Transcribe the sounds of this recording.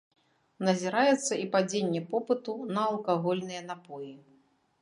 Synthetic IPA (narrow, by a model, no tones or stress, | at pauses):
nɐzʲiɾajɛt̪sːɐipad͡zʲenʲːɛpɔpɨt̪unɐɐːlˠkaɣɔlʲnɨjɐn̪apɔji